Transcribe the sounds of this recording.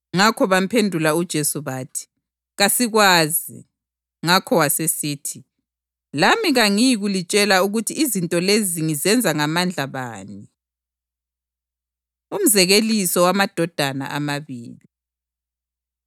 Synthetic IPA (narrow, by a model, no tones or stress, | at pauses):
ŋakʰɔβam̩pʰendʱulaud̥ʒ̥ʱesuβaːtʰi̥ | ɣasiɣwaːzḭ | ŋakʰɔwasesiːtʰi | lamiɣaŋijiɣulit͡ʃʼɛlauɣutʰiːzintʼɔleziŋizɛnd͡zʱaŋamand͡ɮʱaβa̰ːni | um̩zɛɣelisɔwamad̥ʱɔd̥ʱana̰ʔamaβḭːli